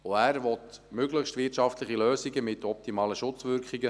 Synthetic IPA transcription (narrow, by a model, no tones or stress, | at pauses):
oæːɾvɔtmʏɡləχʃtʋɪtʃɑftləχiløːsiɡəmɪtɔp̚timɑːləʃʊt͡sʋʏɾkχiɡə